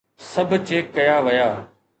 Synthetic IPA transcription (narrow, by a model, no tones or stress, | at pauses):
sɐbʱʊt͡ɕeːkːɐjaːʋɐjaː